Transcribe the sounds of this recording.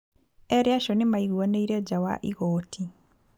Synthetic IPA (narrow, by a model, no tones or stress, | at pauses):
eɾjaʃonimaiɣwoneiɾed͡ʒawa̰ʔiɣoːtʰi